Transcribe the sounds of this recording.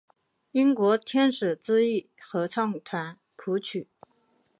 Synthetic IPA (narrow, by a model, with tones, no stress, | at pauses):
i˥ŋkwɔ˧˥t̪ʰjɛ˥nʂɻ̩˨˩t͡sɹ̩˥i˥˩ | xɤ˧˥t͡sʰɑ˥˩ŋt̪ʰwa˧˥n | pʰu˧˥t͡ɕʰy˨˩˦